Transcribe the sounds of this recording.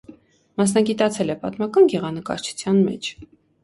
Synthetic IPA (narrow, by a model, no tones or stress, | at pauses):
mɑs̬nɑɡit̪ɑt͡sʰɛlɛpɑt̪mɑkɑnɡɛʁɑnəkɑ̰ɾt͡ʃʰu̥t͡sʰjɑnmɛ̰t͡ʃʰ